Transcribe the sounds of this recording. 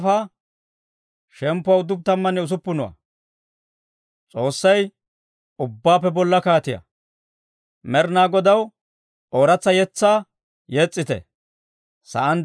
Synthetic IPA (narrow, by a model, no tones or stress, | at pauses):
faː | ʃɛmpːʊɐwʊd̪ːʊb̚t̪ɐmːɐnɛʊs̬ʊpːʊnʊwɐ̰ | t͡sʼo̞ːsːɐj | ʊbːaːpːɛbɔlːɐkaːt̪ɪjɐ̰ | mɛɾnaːɡɔd̪ɐw | ʔoːɾɐt͡sːɐjɛt͡sːaː | jɛt͡sʼːɪt̪ɛ̰ | sɐ̰ʔɐn